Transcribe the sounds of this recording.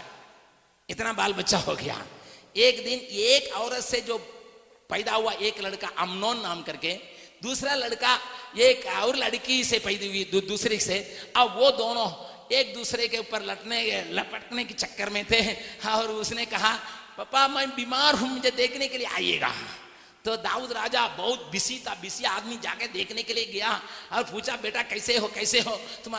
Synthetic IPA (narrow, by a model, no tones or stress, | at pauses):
ɪt̪nabaːlbɐtːʃaɦo̰ɡɐ̰ja̰ːeːkd̪ɪneːkɔːɾət̪sed͡ʒoː | pɐːd̪aɦʊaʔeːklɐɽkaʔɐmnɔːnːaːmkɐɾked̪uːsɾalɐɽkaeːkɔːɾlɐɽkisepɐɪd̪iɦuid̪uːsɾiseɐbʋod̪oːnõ | eːk̚d̪uːsɾekeupəɾlɐʈneelɐpəʈnekit͡ʃɐkːəɾmẽt̪ʰeɔːɾʊsnekɐɦapɐpamɛ̃biːmaːɾɦũmʊd͡ʒʱed̪eːkʰnekelijea̰ːḭḛːɡa̰ː | t̪od̪aːuːd̪ɾaːd͡ʒabɐɦʊt̪̚bɪsit̪abɪsiaːd̪mid͡ʒa̰ːked̪eːkʰnekelieɡɐjaɔːɾpuːt͡ʃabeːʈakɛːseɦokɛːseɦoːt̪ʊm